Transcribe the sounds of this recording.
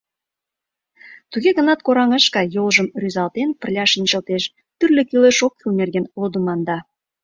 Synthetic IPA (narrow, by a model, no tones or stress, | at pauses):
t̪uɣeɣə̆nɑt̪̚koɾɑŋəʃkɑjolʒə̆mryzɑlt̪enpə̆rlʲɑʃənt͡ɕə̆lt̪eʃ | t̪yrlʲĕkyleʃokːylnerɣenlod̪umɑnd̪ɑ